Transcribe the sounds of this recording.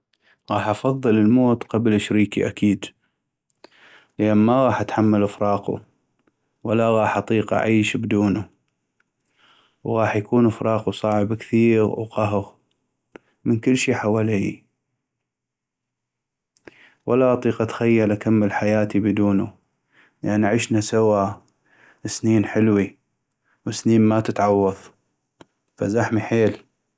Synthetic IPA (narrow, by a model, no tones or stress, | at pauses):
ɣɑːħʔɑfɑðˤːɨləlmoːt̪qɑblʔəʃɾiːkḭʔa̰kiːd̪ | ləʔanmaɣɑːħʔat̪ħamːalʔəfɾˤɑːqṵ | walaɣɑːħʔɑt̪ˤiːqʔa̰ʕiːʃbd̪uːnu | wɣɑːħjakuːnəfɾˤʔɑːqusˤɑːʕəbkθiːɣwqaɦʊɣ | mənkəlːʃiːħawaːli | walaʔɑt̪ˤiːqat̪xajːalʔakamːəlħajaːt̪ibɪd̪uːnṵ | jʔa̰ʕniʔaʕɪʃnasawa | sniːnħɪlwi | wəsniːnmat̪ət̪ʕɑwːɑðˤ | fa̰zaħmiħeːl